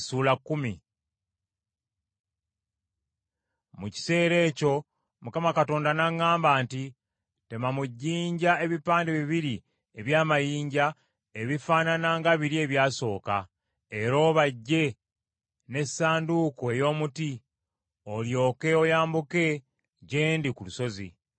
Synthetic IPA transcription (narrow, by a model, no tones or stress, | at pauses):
suːlakːumi | muci̥se̞ːɾe̞ːco̞ | mukamakato̞ːndanaŋːaːmbaːnti | te̞mamuɟːiːɲɟae̞βipaːndeβiβiɾi | e̞βjaːmajiːɲɟa | e̞βifaːnanaŋɡaβiɾie̞ːβjaːso̞ːka̰ | e̞ɾo̞ːβaɟːe̞ | ne̞saːndukoe̞jo̞ːmuti | o̞ljo̞ːke̞ojaːmbuke̞ | ɟe̞ːndikuluso̞zḭ